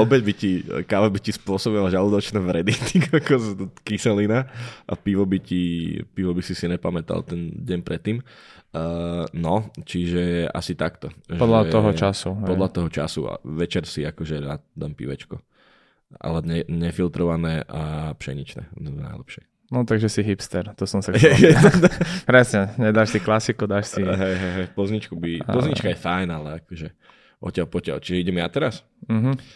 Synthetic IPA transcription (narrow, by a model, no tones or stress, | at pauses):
ɔbɛɟbicikaʋabicispʊɔsɔbiʋalʒalud̪ɔt͡ʃnɛːʋɾɛd̪it̪ikakɔzkisɛlinaʔa̰piʋɔbicipiʋɔbisisiɲɛpamɛt̪a̰lt̪ɛnɟɛɲpɾʔɛt̪ːiːm | nɔt͡ʃiʒɛa̰sit̪akt̪ɔʒɔd̪lat̪ɔɦɔt͡ʃasupɔd̪lat̪ɔɦɔt͡ʃa̰sṵa̰ʋɛt͡ʃɛɾsiakɔʒɛɾa̰ːd̪ampḭʋɛ̰t͡ʃkɔ | a̰lɛɲɛɲɛfilt̪ɾɔʋanɛːʔapʃɛ̰ɲit͡ʃnɛ̰ːna̰jlɛ̰pʃɪɛ | nɔt̪aɡʒɛsiɦipst̪ɛɾt̪ɔsɔmsaɦɛɛt̪at̪apɾɛsɲɛɲɛd̪aʃsiklasikɔd̪aːʃsiɦɛjɦɛjɦɛjpɔzɲit͡ʃkubipɔzɲit͡ʃkajɛfajnalɛakɔʒɛ | ʔɔ̰cɪalpɔcɪa̰lt͡ʃiʒɛiɟɛmjat̪ɛɾas | m̩ɦ̩